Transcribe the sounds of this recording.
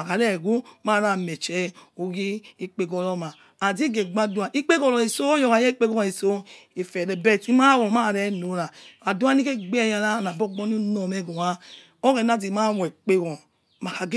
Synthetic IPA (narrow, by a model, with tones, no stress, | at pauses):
a˨ka˨ɾɛ˦˨ɡu˦ma˦˨ɾa˨me˨t͡ʃɛ˨o˨ɡi˦i˦k͡pe˦ɡɔ˨ɾɔ˦ma˨ | a˨di˦ɡe˨ɡ͡ba˦du˦a˨ʔi˦k͡pe˦ɡɔ˦˨lɔ˨i˨so˦jɔ˨ka˨jɛ˦i˦k͡pe˦ɡɔ˦ɔ˨i˨so˦e˨fɛ˨ɾɛ˨bɛ˦˨ti˦ma˦wɔ˨ma˦˨ɾɛ˦no˨˦ɾa˨a˨du˦a˦ni˦ke˦ɡ͡be˦˨ja˧ɾa˦˨na˨bɔ˦ɡ͡bɔ˦ni˦nɔ˨mɛ˦ɡo˨wa˦ | o˦kɛ˨n˦a˦di˨ma˦˨wɛ˨k͡pe˦ɡɔ˨ | ma˨ka˨ɡe˦